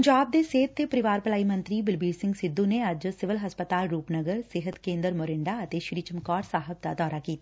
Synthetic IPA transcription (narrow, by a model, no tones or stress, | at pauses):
ɲd͡ʒaːb̚d̪eːseːt̪̚ːepəɾɪʋaːɾpəlaːimə̃nt̪ɾiːbɪlbiːɾsɪ̃ŋɡsɪd̪ːũːneəd͡ʒsɪʋɪlɦəspət̪aːlɾuːpnəɡəɾsɪɦət̪kẽːnd̪əɾmoːɾɪɳɖaːət̪eʃɪɾiːt͡ʃəmkɔːɾsaːɦəb̚d̪a̰d̪ɔːɾaːkiːt̪aː